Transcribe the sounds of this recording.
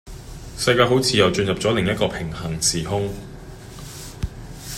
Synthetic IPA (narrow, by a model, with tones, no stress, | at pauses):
sɐ˧jkaː˧ɦo˨˥wt͡sʰiː˨˧jɐ˨wt͡ʃɵ˧njɐ˨p̚t͡sɔː˨˥lɪ˨ŋjɐ˥t̚kɔː˧pʰɪ˨˩ŋhɐ˨˩ŋt͡sʰiː˨˩ɦʊ˥ŋ